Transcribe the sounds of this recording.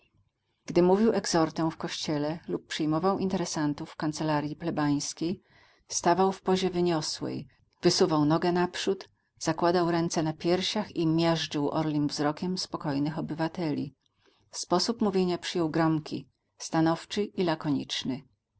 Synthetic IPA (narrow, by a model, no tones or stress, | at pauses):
ɡd̪ɘmuvʲiwɛɡzɔɾt̪ɛw̃fkɔɕt͡ɕɛlɛlupːʂɘjmɔvawʔint̪ɛɾɛsant̪ufːkant̪sɛlaɾʲjiplɛbaj̃skʲej | st̪avawfpɔʑɛvɘɲɔswɛ̰j | vɘsuvawnɔɡɛnapʂut̪ | z̥akwad̪awɾɛnt̪sɛnapʲjɛɾɕaximʲjɛʐd͡ʐɘwʔɔ̰ɾlʲimvzɾɔkʲɛmspɔkɔjnɘxɔbɘvat̪ɛlʲḭ | spɔsupmuvʲjeɲapʂɘjɔwɡɾɔmkʲʰi | st̪anɔft͡ʂɘʔilakɔɲit͡ʂnɘ